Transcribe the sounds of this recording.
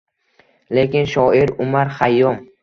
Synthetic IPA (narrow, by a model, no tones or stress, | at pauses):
le̞kʲɪnʃɒiɾʊmaɾχajːɒm